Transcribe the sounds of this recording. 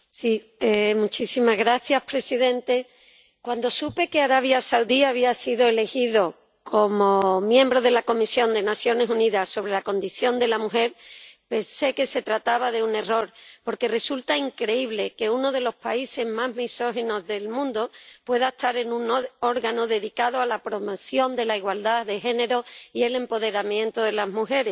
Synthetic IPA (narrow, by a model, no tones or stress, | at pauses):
si | emut͡ʃisimazɣɾaθjaspɾe̞siðẽ̞nt̪e̞ | kwand̪o̞supe̞ke̞aɾaβ̞jasawðiaβ̞iasiðo̞e̞le̞xiðo̞ | kʰo̞mo̞mjẽ̞mbɾo̞ðe̞lako̞misjo̞nd̪e̞naθjo̞ne̞suniðaso̞β̞ɾe̞lako̞nd̪iθjo̞nd̪e̞lamuxe̞ɾpe̞nse̞ke̞se̞t̪ɾat̪aβaðeune̞ro̞ɾpo̞ɾke̞re̞sult̪aiŋkɾe̞iβle̞ke̞uno̞ð̞e̞lo̞spaise̞zmazɦmiso̞xeno̞zðe̞lmũnd̪opwe̞ðaest̪aɾe̞nũno̞ɾɣano̞ðe̞ðikaðoalapɾo̞moθjo̞nd̪e̞laiɣwald̪aðe̞xe̞ne̞ɾoie̞le̞mpo̞ðe̞ɾamjẽ̞nt̪oðe̞lazmuxe̞ɾes